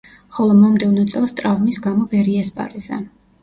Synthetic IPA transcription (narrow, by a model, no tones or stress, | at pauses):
χɔlˠɔmamd̪ɛvnɔt̪sʼɛlˠst̪ʼɾavmisɡamɔvɛɾiɛspʼa̰ɾiza̰